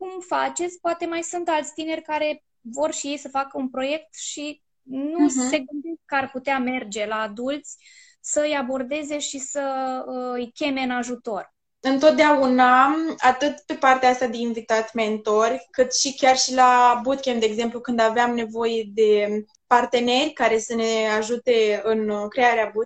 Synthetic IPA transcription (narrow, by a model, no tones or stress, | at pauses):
kumfat͡ʃe̞t̪sʲpoat̪e̞majsunt̪alt̪sʲt̪ine̞rʲkaɾe̞ | vo̞rʃije̞jsəfakəunpɾo̞je̞kt̪ʃi | nuse̞ɡɨnd̪esk̚kəarput̪eame̞rd͡ʒe̞laːd̪ult̪sʲ | səɨjabo̞rd̪e̞ze̞ʃisəəɨjkʲe̞me̞ɨnaʒut̪o̞r | ɨnt̪o̞t̪̚d̪eaunaat̪ɨt̪pe̞part̪eaast̪ad̪einvit̪at̪ʲment̪o̞rʲkɨt̪ʃikʲarʃilabut̪̚kʲemd̪eːɡze̞mplukɨnd̪aveamne̞vo̞je̞d̪e̞ | part̪e̞ne̞rʲkaɾe̞səne̞aʒut̪e̞ɨnkɾe̞aɾeabu